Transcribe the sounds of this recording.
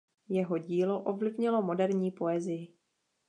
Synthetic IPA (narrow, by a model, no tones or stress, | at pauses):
jɛɦo̞ɟiːlo̞ʔo̞vlɪvɲɪlo̞mo̞dɛɾɲiːpo̞ɛzɪjɪ